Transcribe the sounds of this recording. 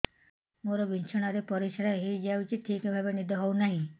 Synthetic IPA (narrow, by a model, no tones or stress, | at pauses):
moɾɔbint͡ʃʰɔɽ̃aɾepɔɾisaɾaɦed͡ʒawt͡ʃʰiʈʰikebʱabenid̪ɔɦɔwnaɦĩ